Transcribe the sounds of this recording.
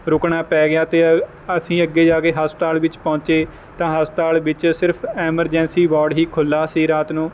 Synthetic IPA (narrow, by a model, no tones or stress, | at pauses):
ɾʊkɳaːpɛːɡɪjaːt̪eː | əsĩːəɡːeːd͡ʒaːkeːɦəsʈ̪aːlʋɪt͡ʃpɔ̃ːt͡ʃeː | t̪ãːɦəsʈaːlʋɪt͡ʃsɪɾpʰɛːməɾd͡ʒɛ̃ːnsiːbɔːɾɖɦiːkʰʊlːaːsiːɾaːt̪nũː